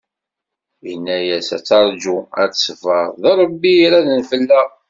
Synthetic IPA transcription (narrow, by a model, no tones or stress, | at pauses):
jənːæjæsæ̰t͡sːɑɾˤd͡ʒuæ̰t͡ssfəɾˤðəɾˤəbːiɾæðənfəlːæ